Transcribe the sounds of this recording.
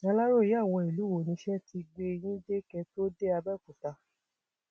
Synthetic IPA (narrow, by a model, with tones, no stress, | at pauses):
a˧la˦ɾo˦˨ji˨˦a˦˨w̃ɔ̃˧˨i˨lu˨˦wo˨nĩ˧˦ʃɛ˦ti˧ɡ͡be˧j̃ĩ˦de˦kɛ˧˦to˦de˦a˧bɛ˦˨ku˨ta˧˦